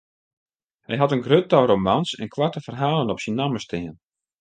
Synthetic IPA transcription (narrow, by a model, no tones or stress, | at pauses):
hɛjɦatənɡrøtɔɾomansɛ̰nkʰʋartəfərɦaːlˠənɔpsinːaməstɪən